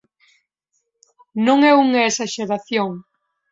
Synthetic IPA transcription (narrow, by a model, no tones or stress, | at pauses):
nõŋɛuŋɐesaʃeɾaθjoŋ